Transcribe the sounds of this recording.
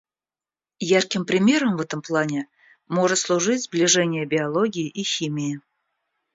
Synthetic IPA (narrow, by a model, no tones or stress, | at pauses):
jarkʲɪmpɾʲɪmʲeɾəmvɛt̪əmplˠanʲɪ | moʐɨt̪slˠuʐɨtʲzblʲɪʐɛnʲɪjəbʲɪɐlˠoɡʲɪjːʔixʲimʲijɪ